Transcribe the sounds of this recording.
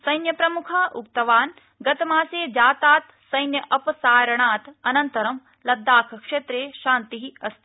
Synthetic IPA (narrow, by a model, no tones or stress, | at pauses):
sɐjnjɐpɾɐmukʰɐʔukt̪ɐʋaːn | ɡɐt̪ɐmaːseːd͡ʒaːt̪aːt̪ | sɐjnjɐʔɐpɐsaːɾɐɳaːt̪ɐnɐnt̪ɐɾɐm | lɐd̪ːaːkʰɐkʂeːt̪ɾeːʃaːnt̪iɦiɐst̪ʰi